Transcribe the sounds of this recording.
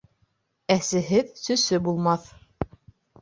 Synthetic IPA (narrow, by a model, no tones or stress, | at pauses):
æsɘ̆ɦɘðsɵ̆sɵbulˠmɑθ